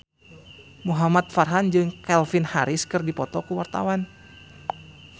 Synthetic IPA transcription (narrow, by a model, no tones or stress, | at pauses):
muɦamat̪̚farɦand͡ʒɨŋkɛlfinhaɾɪskɨrdipɔt̪ɔkuwart̪a̰wan